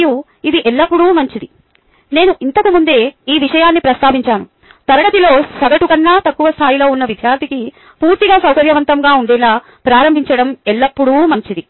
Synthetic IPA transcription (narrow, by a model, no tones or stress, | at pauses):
ju | id̪iʔɛlːɐpːuɽumɐɲt͡ʃid̪i | ne̞ːnuʔint̪ɐkumund̪e̞ːiːʋiʂɐjaːnːipɾɐst̪ʰaːʋiɲt͡ʃaːnu | t̪ɐɾɐɐt̪ilo̞ːsɐɡɐʈukɐnːaːt̪ɐkːuʋɐst̪ʰaːjilo̞ːunːɐʋid̪ʱjaːɾd̪ʱiki | puːɾt̪iɡaːsɐwkɐɾjɐʋɐnt̪ɐmɡaːuɳɖɛːlaː | pɾaːɾɐmbʱiɲt͡ʃɐɽɐmɛɭːɐpːuɽuːmɐɲt͡ʃid̪i